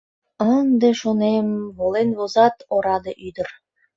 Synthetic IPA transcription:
ənd̪eʃonemβolenβozɑt̪oɾɑd̪ɤʔyd̪ə̆r

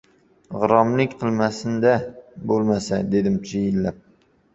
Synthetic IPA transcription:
ʁɨɾɒmlɪkʲqʰɨlˠmasɪnd̪abolˠmasad̪e̞d̪ɪmt͡ʃʰɪjɪlːap̚

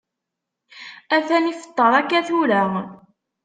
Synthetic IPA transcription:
æθænifə̥t̪ˤːəɾˤækːæθuɾæ

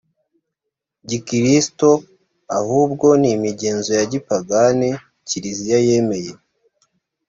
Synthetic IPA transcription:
ɟikiɾisto̞ | ahuːb̚ɡo̞nimiɟe̞ːnzo̞jaɟipaɡane | ciɾizijaje̞me̞je

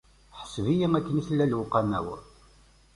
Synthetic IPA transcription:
ħə̥svijiŋækːəniθlːælwʊqːɑnːæ̰w

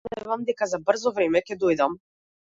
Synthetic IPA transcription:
ɛvamd̪ɛkazabr̩zɔvɾɛmɛcɛd̪ɔjd̪am

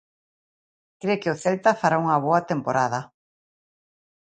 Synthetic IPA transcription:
kɾekɪʊθelt̪afaɾauŋɐβ̞oat̪empoɾaðɐ

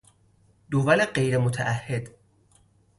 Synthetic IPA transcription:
d̪ovæleɢejɾemot̪ʰæʔæhːed̪̥

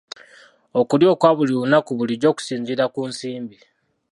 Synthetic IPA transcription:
okuljo̞ːkwaβuliβunakuβuliɟo̞ːku̥siːɲziɾakunsiːmbi

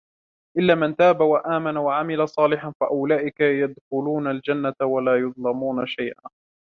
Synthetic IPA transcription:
ʔɪlːaːmɪnt̪aːbawaʔaːmanawaʕamɪlasˤɑːlɪħanfaʔʊlaːʔɪkajad̪xʊluːnald͡ʒanːat̪awalaːjʊd̪ˤlɑmuːnaʃajʔa̰ː

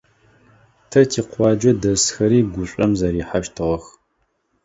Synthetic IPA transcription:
tʰɐtʰiːqʷɑːd͡ʒɐdɐsxɐɾiːɡʷʊɕʷʼɐmzɐɾiːħaʃtʰɨʁɐx

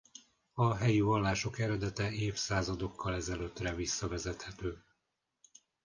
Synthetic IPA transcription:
ɒɦɛjivɒlːaːʃo̞kɛɾɛd̪ɛt̪ɛeːfsaːzɒd̪o̞kʰːɒlɛzɛløːt̪rɛvisːɒvɛzɛt̪hɛt̪øː

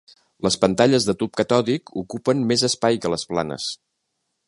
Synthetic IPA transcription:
ləspənt̪aʎəzðət̪up̚kət̪ɔðikukupənmezəspajkələspla̰nə̰s

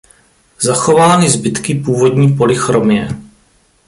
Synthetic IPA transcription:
zaxo̞vaːnɪzbɪt̪kɪpuːvo̞dɲiːpo̞lɪxɾomɲɛ

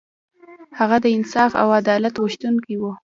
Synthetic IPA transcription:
haɣad̪əɪnsɑfa̰wad̪ɑlat̪wəʃt̪unkiwu

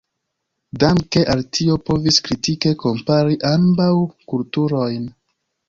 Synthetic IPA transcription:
damke̞ʔaltʰio̞po̞viskɾitike̞ko̞mpaɾiʔambawkultuɾo̞jn

